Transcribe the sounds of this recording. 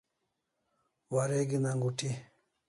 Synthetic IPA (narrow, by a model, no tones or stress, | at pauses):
waɾeɡinaŋɡuʈʰi